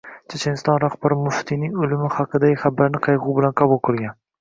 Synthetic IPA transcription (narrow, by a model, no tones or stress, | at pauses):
t͡ʃʰet͡ʃʰe̞nst̪ɒnɾaχbaɾɪmʊft̪ʰinɪŋʊlɪmɪχɑqʰɨd̪aɡʲɪχabːaɾnɪqʰɑjʁʊwbɪlanqʰɑbulˠqʰoɾɡʲan